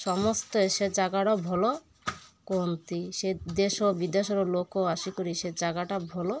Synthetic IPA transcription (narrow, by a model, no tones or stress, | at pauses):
ʃɔmɔst̪eʃed͡ʒaɡaʈabʱɔlo | kont̪iʃed̪eʃobid̪eʃɔɾolokoaʃikoɾiʃed͡ʒaɡaʈabʱɔlo